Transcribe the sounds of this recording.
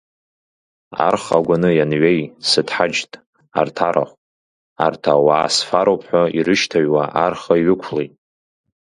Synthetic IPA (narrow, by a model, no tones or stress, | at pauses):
a̰rχaɡʷanɨjanɥejsɨdʰħad͡ʒtʼ | a̰rtʰaɾa̰χʷʼ | a̰rtʰawaːsfaɾowpʰħʷᶣairɨʃtʰaɥwaʔarχaiɥɪkʷʰlejtʼ